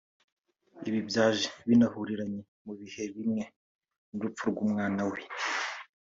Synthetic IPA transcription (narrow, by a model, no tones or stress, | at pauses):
iβibjaːʒeβinahuɾiɾaɲe | muβihe̞βimŋe̞ | nuɾup͡fuɾɡuːmŋaːnawe̞